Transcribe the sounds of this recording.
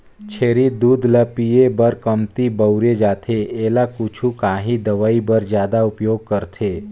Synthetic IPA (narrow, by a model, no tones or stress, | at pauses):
t͡ʃʰeːɾid̪uːd̪ʱləpiebəɾkəmt̪ibəʊɾed͡ʒaːt̪ʰeeːlakʊt͡ʃʰukaːɦĩd̪əʋaːibəɾd͡ʒjaːd̪aʊpjoːɡ̚kəɾt̪ʰeː